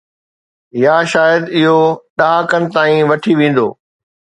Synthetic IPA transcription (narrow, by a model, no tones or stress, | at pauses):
jaːʃaːjəd̪ɪɦoɗaːkənɪ̆t̪aːĩʋɐʈʰiʋẽːn̆d̪o̰ː